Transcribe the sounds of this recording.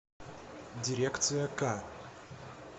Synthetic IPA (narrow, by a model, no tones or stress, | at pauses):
dʲɪɾʲekt̪sɨjəka